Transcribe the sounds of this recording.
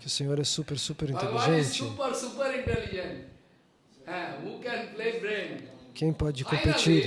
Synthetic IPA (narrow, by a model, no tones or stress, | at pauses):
kɪʊsẽɲoɾɛsupeɾsupeɾĩnt̪eliʒẽnt͡ʃuɪpəɾsupəɾĩɳʈɛlid͡ʒɛ̃ɳʈ | ɛ̃huːkɛ̃npleːbɾẽnkʰẽj̃pɔd͡ʒɪkkõmpet͡ʃiɾ